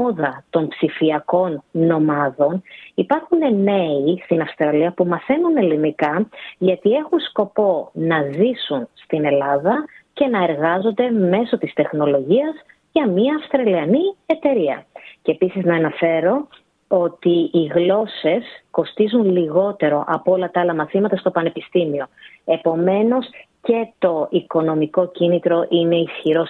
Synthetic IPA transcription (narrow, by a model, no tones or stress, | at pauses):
oðɐt̪o̞mpsifiɐko̞nːo̞mɐðo̞nipɐɾxune̞me̞ist̪inɐfst̪ɾɐliɐpumɐθe̞nune̞linikɐʝɐt̪ie̞xunsko̞po̞nɐzisunst̪ine̞lɐðɐce̞nɐe̞ɾɣɐzo̞nd̪e̞me̞so̞t̪ist̪e̞xno̞lo̞ʝiɐz | ʝɐmɲiɐːfst̪ɾɐliɐnie̞t̪e̞ɾiɐ̰ceːpisiznɐːnɐfe̞ɾo̞ | o̞t̪iːɣlo̞se̞sko̞st̪izunliɣo̞t̪e̞ɾo̞ʔɐpolɐt̪ɐɐlɐmɐθimɐt̪ɐst̪o̞pɐne̞pist̪imio̞e̞po̞me̞no̞sce̞t̪o̞iko̞no̞miko̞cinit̪ɾo̞ʔine̞isçiɾo̞s